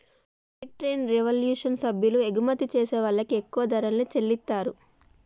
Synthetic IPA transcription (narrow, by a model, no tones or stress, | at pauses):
biʈɾe̞ːnɾeʋɐljuːʂɐnsɐbʱjulueɡumɐt̪ːit͡ʃeːsɛːʋɐɭːɐkiekːuʋɐd̪ɐɾɐnleːt͡ʃelːit̪ːaːɾu